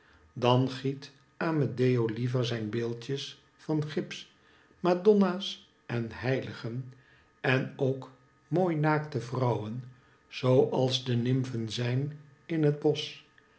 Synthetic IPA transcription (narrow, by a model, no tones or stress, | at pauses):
dɑnχit | aːmədejowlivəɹzɛjnbɪːlˠtjəs | fɑnχɪps | madɔnaːs | ʔɛnɦɛjləχən | ɛnowk | moːjnaːktəvrʌwən | z̥owʔɑlˠzdənɪmvənzɛjn | ɪnɦəd̚bɔs